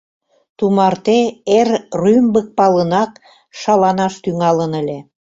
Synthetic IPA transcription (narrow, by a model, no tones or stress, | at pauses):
t̪umɑrt̪eerrymbək̚pɑlənɑk | ʃɑlɑnɑʃt̪yŋɑlənə̆lʲĕ